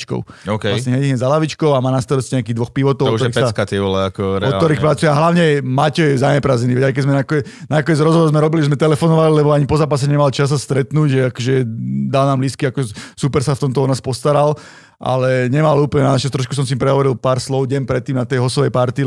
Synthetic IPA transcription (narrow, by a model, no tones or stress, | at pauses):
t͡ʃkɔ̰ʊɔkɛlaasɲɛɦɛiɦɲɛzalaʋit͡ʃkɔʊamaːnast̪ɔɾɛsciɲɛakiːɣd̪ʋɔxpiʋɔt̪ɔwɔtɔɾiɛsskat̪ɛʋɔlɛakɔɾɛɔt̪ɔɾiːxpɾat͡sujɛaɦlaʊɲɛmacɔjzaɲɛpɾaːzɛniʋɛajk̬ɛzmɛnakɔ | nakɔɲɛd͡zɾɔzɦɔʋɔɾzmɛɾɔbiliʒɛzmɛt̪ɛlɛfɔnɔʋalilɛbɔaɲipɔzaːpas̬ɛɲɛmalt͡ʃas̬ːast̪ɾɛt̪nuːɟʒɛakɔʒɛd̪alnaːmliskiakɔʒɛsupɛɾsaft̪ɔmt̪ɔɔd̪naːspɔst̪aɾal | ʔa̰lɛɲɛmaluːplɲɛnat͡ʃast̪ɾɔʃkusɔms̬iimpɾɛɦɔʋɔɾilpaːɾslɔʊɟɛmpɾɛt̪ːiːmnat̪ɛjɦɔsɔʋɛjpaɾt̪i